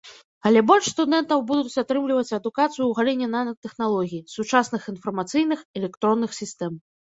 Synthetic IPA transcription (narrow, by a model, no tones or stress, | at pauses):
ɐlʲɛbɔlʲʂst̪ud̪ɛnt̪ɐwbud̪uut͡sʲat̪ɾɨmlʲivɐt͡sʲɐd̪ukat̪sɨjuwɣalʲinʲːɛnanɐt̪ɛxnalˠɔɣʲijsut͡ʂasnɨxinfɐrmat̪sɨjnɨxɛlʲɛkt̪ɾɔnːɨxsʲist̪ɛm